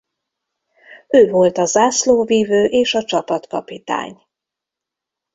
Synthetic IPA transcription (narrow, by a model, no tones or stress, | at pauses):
øːvolt̪ɒzaːsloːviːvøːʔeːʃɒt͡ʃɒpɒt̪kɒpit̪a̰ːɲ